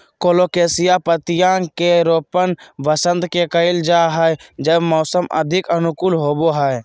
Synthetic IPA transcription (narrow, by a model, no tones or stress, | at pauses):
koːloːkeːsɪjapət̪ɪjãkeɾoːpənʋəsə̃nd̪kekəɪld͡ʒaɦɛjd͡ʒəbmɔːsəmʔə̰d̪ʱɪkənʊkʊlɦoːboɦɛe